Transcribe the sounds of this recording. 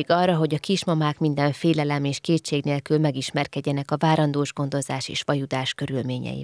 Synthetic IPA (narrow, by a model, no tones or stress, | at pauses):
ɡɒrːɒɦo̞ɟɒkiʃmɒmaːkmind̪ɛɱfeːlɛlɛmeːʃkeːtt͡ʃeːɡneːlkylmɛɡiʃmɛrkɛɟːɛnɛkɒvaːɾɒnd̪oːʒɡo̞nd̪o̞zaːʃḛːʃʋɒjud̪aːʃkø̞ɾylmeːɲɛ̰jḭ